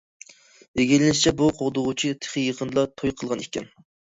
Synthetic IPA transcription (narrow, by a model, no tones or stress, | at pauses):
eɡʲilɪnɪʃt͡ʃʰɛbuqʰoʁd̪ʊʁʊt͡ʃʰit̪ʰe̥χijeqʰənd̪lˠɑt̪ʰojqʰəlˠʁɑnikʲɛn